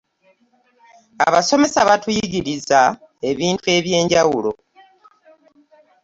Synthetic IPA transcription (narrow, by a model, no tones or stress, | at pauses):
a̰βaso̞me̞saβatujiɡiɾiza | e̞βiːntue̞βje̞ːɲɟawulo̞̰